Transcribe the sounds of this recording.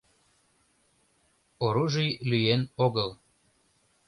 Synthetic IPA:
oɾuʒijlyjenoɡəlˠ

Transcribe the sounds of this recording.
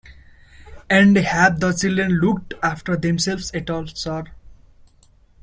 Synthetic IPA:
ɛ̃ɳɖhæd̪̚d̪ət͡ʃilɖɾẽnlukʈafʈəɾd̪ẽmselʋsɛʈɔːlsʌɾ

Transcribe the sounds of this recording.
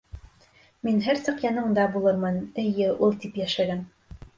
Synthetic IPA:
minɦæɾsɤqjɑnɤɴd̪ɑbulˠɤɾmɤnɘ̆jɘʔulˠt̪ipjæʃæɡæn

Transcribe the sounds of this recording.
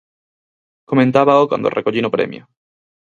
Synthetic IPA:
komẽnt̪aβaokwa̰nd̪o̰rekoʎinopɾḛmjo

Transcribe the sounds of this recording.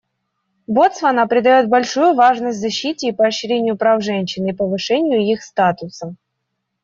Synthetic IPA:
bot̪svɐnapɾʲɪd̪ɐjo̞t̪̚bɐlʲʂujʊvaʐnəsʲtʲzɐɕːitʲɪːpəːɕːɾʲenʲɪjʊpɾafʐɛnʲɕːɪnipəvɨʂɛnʲɪjʊixst̪at̪ʊsə

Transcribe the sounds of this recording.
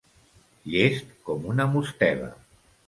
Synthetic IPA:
ʎest̪kɔmunəmust̪ɛβə̰

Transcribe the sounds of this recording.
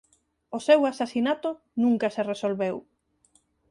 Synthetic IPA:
osewasasinat̪ʊ | nũŋkɐseresolβew

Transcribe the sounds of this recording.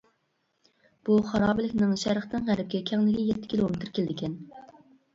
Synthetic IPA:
b̥uχɑɾɑːbɪlɪkʲnɪŋʃæɾχt̪ɨnʁæɾɪp̚kʲɛkʲʰɛŋlɪɡʲɪjɛt̪ʰːɪ̥kʲʰilˠomɪt̪ʰɪɾkʲelɪd̪ɪkʲʰɛn

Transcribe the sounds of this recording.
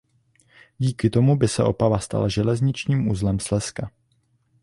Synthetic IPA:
ɟiːkɪt̪o̞mubɪsɛʔo̞̰pavast̪a̰laʒɛlɛzɲɪt͡ʃɲiːmʔuzlɛmslɛska

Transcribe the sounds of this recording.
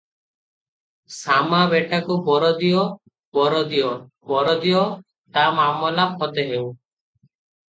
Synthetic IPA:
samabeʈakubɔɾɔd̪ijɔ | bɔɾɔd̪ijɔ | bɔɾɔd̪ijɔ | t̪amamɔlaphɔt̪eɦew

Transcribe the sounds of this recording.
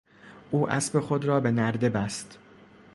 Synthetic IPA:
ʔuːʔæ̰sbe̞xod̪ɾɒːbe̞næɾd̪e̞bæst̪

